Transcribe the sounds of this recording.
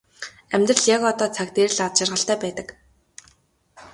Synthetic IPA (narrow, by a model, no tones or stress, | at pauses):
æmʲt̪rə̆ɮjakɔt̪ɔːt͡sʰak̚t̪er̆ɮat̪t͡ɕɪ̆rʁə̆ɬt̪æːpæːt̪ə̆k